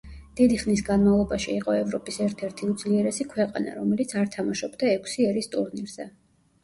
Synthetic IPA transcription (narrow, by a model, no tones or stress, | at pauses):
d̪̥id̪iχnisɡanmavlˠɔbaʃiːqʼɔɛvɾɔpʼisɛɾt̪ʰɛɾt̪ʰiud̪zliɛɾɛsikʰwɛqʼana̰ɾɔmɛlit̪sʰaɾt̪ʰamaʃɔbd̪aɛkʷʰsiɛɾist̪ʼuɾniɾz̥ɛ